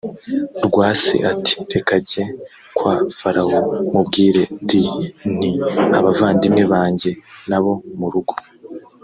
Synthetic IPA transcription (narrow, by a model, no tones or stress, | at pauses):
ɾɡwaːsḛʔatʰi̥ɾe̞kaɟe̞ | kwaːfaɾahomubɡiːɾe̞diniaβavaːndimŋe̞βaːɲɟe̞naβo̞muɾuɡo̞